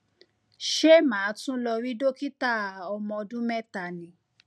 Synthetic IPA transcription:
ʃe˦mãː˨˦tũ˦lɔ˧ɾi˦do˦ki˦ta˦˨ɔ˧mɔ̃˧dũ˦mɛ˦ta˨nĩ˨˦

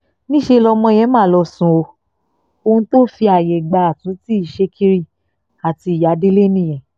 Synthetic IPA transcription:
nĩ˦ʃe˧lɔ˧mɔ̃˧˦˧jɛ̃˦mãː˦˨lɔ˧sũ˧˦o˧ | o˧ũ˧to˦fi˧a˨jɛ˨ɡ͡ba˨a˨tũ˨˦ti˦i˦˨ʃe˧˦kʰi˦ɾi˧ | a˨ti˧i˨ja˨˦de˦le˦nĩ˦˨ɛ̃˨

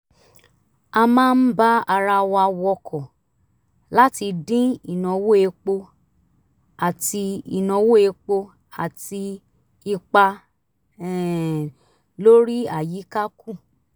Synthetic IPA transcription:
a˧mãː˦n̩˦ba˦a˧ɾa˧wa˧wɔ˧kʰɔ˨ | la˦ti˧dĩ˦i˨nã˨˧wo˦e˧k͡po˧ | a˨ti˧i˨nã˨˧wo˦e˧k͡po˧ | a˨ti˧ | i˧k͡pa˧ | ɛ˨ | lo˦ɾi˦a˨ji˨˦ka˦ku˦˨

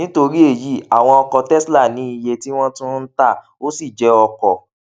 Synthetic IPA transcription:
nĩ˨˦to˧ɾi˦e˦˨ji˦a˨w̃ɔ̃˧ɔ˧kɔ˧tɛ˦sla˦˨nĩ˨˦i˧je˧ti˦w̃ɔ̃˦tũ˦n̩˦ta˦˨ | o˦si˦˨d͡ʒɛ˧˦ɔ˧kɔ˨

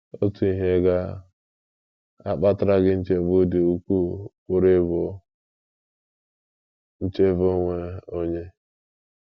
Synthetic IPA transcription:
o̰˦tu˨i˨ɦe˦ɡa˦ | a̰˨k͡pa˦ta˦ɾa˦ɡɪ˦n̩˦t͡ʃe˦vʊ˦dɪ˨u˦kʷu˦ | ʊ˦ɾe˦bʊ˨ | n̩˦t͡ʃe˦vo˦ŋʷe˦o˦ɲe˦

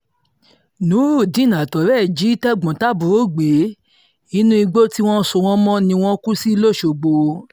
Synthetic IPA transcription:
nũ˨˦ɾu˦˨dĩ˨˦˨nã˨tɔ˨ɾɛ˦˨d͡ʒi˨˦i˦tɛ˦˨ɡ͡bɔ̃˨ta˦˨bu˨ɾo˦˨ɡ͡be˨˦ | i˦nũ˦i˧ɡ͡bo˦ti˦w̃ɔ̃˦so˧w̃ɔ̃˦mɔ̃˦nĩ˧w̃ɔ̃˦ku˦si˦˧˦lo˦˨ʃo˨ɡ͡bo˧

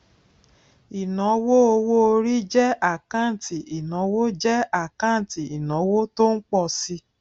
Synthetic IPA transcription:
i˨nɔ̃˨˦wo˦o˧wo˦o˧ɾi˦d͡ʒɛ˦a˦˨kã˦˨ti˨i˨nɔ̃˨˦wo˦d͡ʒɛ˦a˦˨kã˦˨ti˨i˨nɔ̃˨˦wo˦to˦n̩˦k͡pɔ˦˨si˧

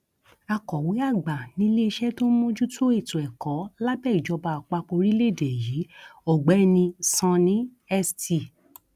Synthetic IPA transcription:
a˧kɔ˨we˨˦a˦˨ɡ͡ba˨nĩ˨˦le˦˧ʃɛ˦to˦mõ˦d͡ʒu˦to˦e˦˨tũ˨ɛ˨kɔ˨˦la˦bɛ˦˨i˨d͡ʒɔ˧ba˧˨k͡pa˧k͡po˧ɾi˦le˦˨de˨ji˨˦ɔ˨ɡ͡bɛ˨˦nĩ˧sã˧nĩ˦ | ɛ˦sti˧˨

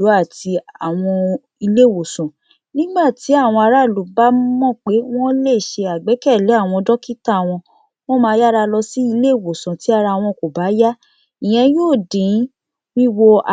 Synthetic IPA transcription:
u˨˦a˦˨ti˧a˨w̃ɔ̃˧ | i˧le˦˨wo˨sɔ̃˨ | nĩ˦ɡ͡ba˦˨ti˨˦a˦˨w̃ɔ̃˧a˧ɾa˦˨lu˨˦ba˦mɔ̃˦˨k͡pe˨˦w̃ɔ̃˦le˦˨ʃe˧a˨ɡ͡bɛ˨˦kɛ˦˨lɛ˨˦a˦˨w̃ɔ̃˧dɔ˦ki˦ta˦˨w̃ɔ̃˧ | w̃ɔ̃˦mãː˧˦ja˦ɾa˧lɔ˧si˦i˧le˦˨wo˨sã˨ti˨˦a˧ɾa˧˨w̃ɔ̃˧˨ko˨ba˨˦ja˦ | i˨j̃ɛ̃˧joː˦˨dĩ˨˦ | wi˦wo˧a˨

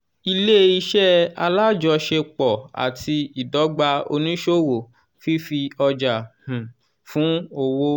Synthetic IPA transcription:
i˧le˦i˧ʃɛ˦a˧la˦d͡ʒɔ˧ʃe˧k͡pɔ˨a̰˨tʰi˧i˨dɔ˨˦ɡ͡ba˧o̰˧nĩ˦ʃo˦wo˨ | fi˦fi˧ɔ˧d͡ʒa˨h̩˨ | fũ˨˦o˧wo˧

